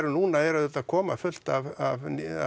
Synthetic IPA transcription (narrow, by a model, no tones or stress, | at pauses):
ɾʏnuːnaɛɾaðɛt̪aðkʰɔːmafʏl̥t̪avav